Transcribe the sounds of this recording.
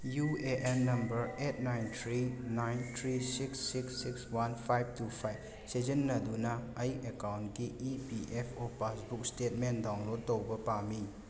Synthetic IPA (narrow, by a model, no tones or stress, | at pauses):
jueʔenːɐmbɐɾet̚najnt̪ʰɾinajnt̪ʰɾisiksːiksːikswanpʰajb̚tupʰajb | sed͡ʒɐnːɐdunɐɐjikekawntɡiipiʔepʰopasbuk̚stet̚mendawnlod̚tːowbɐpami